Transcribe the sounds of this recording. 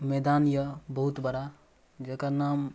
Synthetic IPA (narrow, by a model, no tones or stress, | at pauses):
med̪anjəbəɦut̪bəɾa | d͡ʒekanam